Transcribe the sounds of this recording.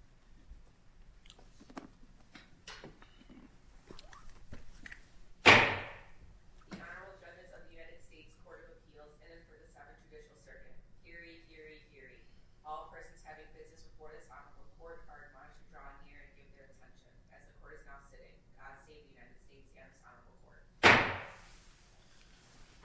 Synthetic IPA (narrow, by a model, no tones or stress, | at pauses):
ðiʔɑnə˞əbl̩ˠd͡ʒʌnɨzʌvðɨjʉnaɪɾɨd̥steɪtskʰɔɹɾʌvɨpʰilˠzɪ̃nɨ̃nfə˞ðɨsɛvɨ̃nd͡ʒɨdɪʃl̩ˠsɜ˞vɨ̃thɪɹihɪɹihɪɹiwalˠəpʰɜ˞sn̩z̥hævɪ̃ŋwɪzɨsɹɨpʰɔɹɾɨdsɑnəvəkʰɔɹɾ̚ɑɹɾmãʃɨdɹɔ̃nɪɹɨ̃nɡɪvðə˞ɨtʰɛ̃nʃɨ̃nɨzðɨkʰɔɹɾɨznaʊsɪɾɪ̰̃ŋɡ̥ɑd̥seɪvðɨjʉnaɪɾɨd̥steɪtsiɑ̃nəsɑ̰nə˞əbl̩ˠkʰɔ̰ɹt̚